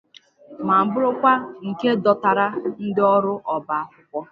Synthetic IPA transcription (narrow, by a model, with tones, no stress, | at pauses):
ma˨m̩˨bʊ˦ɾʊ˦kʷa˦ŋ̩˨ke˦dɔ˨ta˨ɾa˦n̩˦dɪ˦ɔ˦ɾʊ˦ʔɔ˨ba˨a˦kʷʊ˦kʷɔ˦